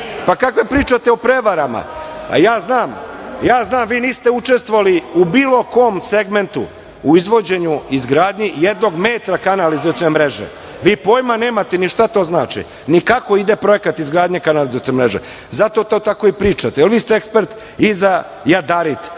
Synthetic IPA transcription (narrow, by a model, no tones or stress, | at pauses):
pakakʋepɾiːt͡ʃat̪eo̞pɾe̞ʋaɾama̰jaːznaːmjaːznaːmʋiːniːst̪eut͡ʃe̞st̪ʋoaliubiːlˠo̞koːmseɡme̞nt̪ṵ | uizʋo̞d͡ʑe̞ɲuizɡɾaːd̪ɲijed̪no̞ɡmeːt̪ɾakanalizot̪onemɾe̞ʒḛ | ʋiːpo̞ːjmane̞ːmat̪eniʃt̪at̪o̞ːznaːt͡ʃḭ | nikako̞id̪e̞pɾo̞e̞kat̪izɡɾaːd̪ɲekanalizot̪iomɾeʒḛ | zat̪o̞t̪o̞t̪ako̞ipɾiːt͡ʃat̪eelʋiːst̪eekspeɾt̪ | iza | jad̪aɾit̪